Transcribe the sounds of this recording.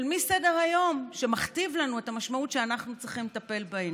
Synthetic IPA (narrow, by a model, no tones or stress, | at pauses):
lmise̞deʁajo̞mʃemaχt̪ivlanue̞tamaʃmautʃeanaχnut͡sʁiχimlet̪ape̞lbaen